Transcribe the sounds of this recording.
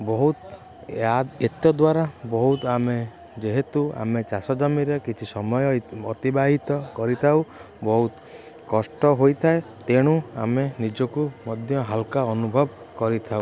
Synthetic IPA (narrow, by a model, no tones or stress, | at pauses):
bɔɦut̪ | aet̪jɔd̪waɾabɔɦut̪ame | d͡ʒeɦet̪ua̰met͡ʃasɔd͡ʒamiɾekit͡ʃʰisɔmɔjɔɔt̪ibaɦit̪ɔkɔɾit̪ʰaw | bɔɦut̪ | kɔsʈɔɦojt̪ʰae | t̪eɽ̃ua̰menid͡ʒɔkumɔd̪ʱjɔɦalkaɔnubʱɔb | kɔɾit̪ʰau